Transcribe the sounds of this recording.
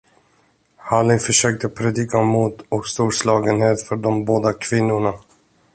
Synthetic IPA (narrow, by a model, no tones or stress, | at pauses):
halɪfœʂøːk̚t̪əpʰɾɛd̪iːkamuːt̪ɔkst̪uːɾslɑːɡənheːt̪fœɖɔmboːd̪akʰvɪnːʊɳa